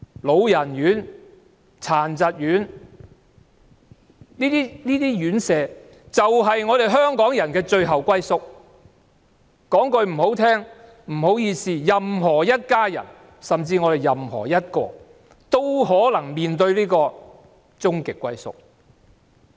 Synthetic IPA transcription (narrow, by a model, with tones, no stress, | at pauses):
lo˨˧wjɐ˨˩njyː˨˥n | t͡sʰaː˨˩nt͡sɐ˨t̚jyː˨˥n | liː˥t̪iː˥liː˥t̪iː˥jyː˨˥nsɛː˨˧ | t͡sɐ˨wɦɐ˨jŋɔː˨˧ɾe˨˩jɦœː˥ŋkɔː˨˥ŋjɐ˨˩nkɛː˧t͡ʃɵ˧ɥɦɐ˨wkwɐ˥jsʊ˥k̚ | kɔː˨˥ŋkɵ˧ɥm̩˨˩ho˨˥wt̪ʰɛː˥ŋ | m̩˨˩ɦo˨˥wjiː˧siː˨˧jɐ˨mɦɔː˨˩jɐ˥t̚kaː˥jɐ̰˨˩n | sɐ˨mt͡siː˧ŋɔː˨˧ɾe˨˩jɐ˨mhɔ̰ː˨˩jɐ˥t̚kɔː˧ | t̪o˥whɔː˨˥lɐ˨˩ŋmiː˨nt̪ɵ˧ɥliː˥kɔː˧ | t͡sʊ˥ŋkɪ˨kːʷɐ˥jsʊ̰˥k̚